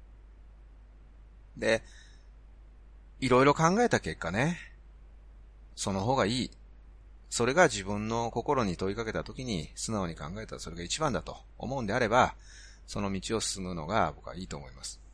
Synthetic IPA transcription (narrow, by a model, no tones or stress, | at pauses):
d̪e̞ | iɾo̞iɾo̞kãŋɡae̞t̪ake̞kːane̞ | so̞no̞ɦo̞ːɡaiː | so̞ɾe̞ɡaʑibɯ̟̃nːo̞ko̞ko̞ɾo̞ɲ̟it̪o̞ikake̞t̪at̪o̞kʲiɲ̟isɨnao̞ɲ̟ikãŋɡae̞t̪aso̞ɾe̞ɡait͡ɕibãnd̪at̪o̞̰ | o̰mo̞ɯ̃nd̪e̞aɾe̞ba | so̞no̞mʲit͡ɕio̞sɨ̥sɨmɯ̟no̞̰ɡa̰bo̞kɯa̰iːt̪o̞ːmo̞imasɨ̥